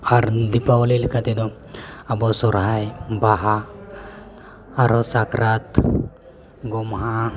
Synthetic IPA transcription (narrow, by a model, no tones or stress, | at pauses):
aɾd̪ipawlelkat̪ed̪ɔ | abɔsɔɾɦajbaɦa | aɾɔsakɾat̪ | ɡɔmɦa